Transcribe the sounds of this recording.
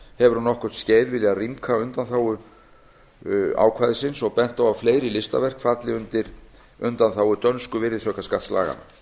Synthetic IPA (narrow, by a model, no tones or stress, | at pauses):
hɛvʏɾhunːɔhkʏ̥t̪sceːjðvɪljarimkʰaʏnt̪anθaːwʏ | a̰ːwkʰvaːjðɪsɪnsɔɣpɛn̥t̪awavfleːjɾɪlɪst̪a̰vɛr̥kfat̪lɪʏnt̪ɪɾ̥ | ʏnt̪anθaːwʏt̪œnskʏvɪðɪsœhkaskat̪sla̰ːɣa̰na